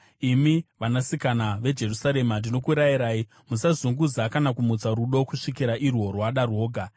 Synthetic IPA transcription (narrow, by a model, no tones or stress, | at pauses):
imiʋanasikanaʋe̞d͡ʒe̞rusaɾe̞mandino̞kuɾaiɾaːi | musazuŋɡud͡zakanakumut͡saɾuɗo̞kuʂikiɾaʔirwo̞rwaɗarwo̞ːɡʱa